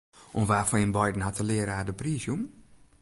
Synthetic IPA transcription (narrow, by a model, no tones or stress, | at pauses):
ʔunʋaːfɔɪnbajdn̩hatʰəlɪəɾəaːdəpriːsjum